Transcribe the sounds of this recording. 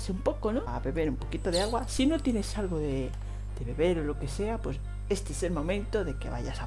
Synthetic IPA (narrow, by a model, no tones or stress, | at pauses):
seumpokono | βe̞βeɾumpo̞kit̪oðeaɣwasinot̪jenesalɣoðe | d̪̥eβe̞βe̞ɾolokeseapwe̞s | est̪eeselmo̞mẽnt̪oðe̞kḛβa̰ʝa̰sa